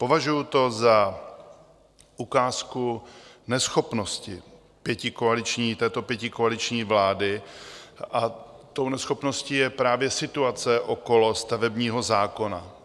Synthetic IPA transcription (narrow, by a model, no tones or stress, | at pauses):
po̞vaʒujut̪o̞za | ʔukaːskunɛsxo̞pnoscɪ | pjɛcɪkoalɪt͡ʃɲiːt̪ɛːt̪o̞pjɛcɪkoalɪt͡ʃɲiːvlaːdɪ | ʔa | t̪o̞wnɛsxo̞pno̞sciːjɛpɾaːvjɛsɪt̪uat͡sɛʔoko̞lo̞st̪avɛbɲiːɦo̞zaːko̞na̰